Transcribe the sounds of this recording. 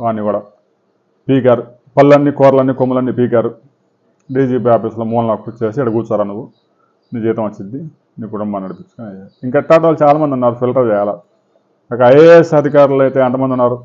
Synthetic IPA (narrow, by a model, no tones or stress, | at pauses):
ʋaːniʋaːɽɐ | piːk̬ʲaːɾu | pɐlːɐnːikɔːɾlɐnːikomːulɐnːipiːkʲaːɾu | ɖiːd͡ʒiːbaːpislomuːnɐnɐkpːut͡ʃeːsiɐɽɐɡuːt͡ʃaːɾanuʋːu | niːd͡ʒiːt̪ɐmʋɐt͡ʃːind̪d̪i | niːkuʈumbaːnɐɽipit͡ʃːu̥kanɐjaiŋkaiʈːaːʈ̬aːlut͡ʃaːlaːmɐnd̪unːaːɾupʰilʈɐʋʋɛːla | ɐkɐɐjesɐd̪ʱikaːɾulɐjt̪eːɐnt̪ɐmɐnd̪unːaːɾu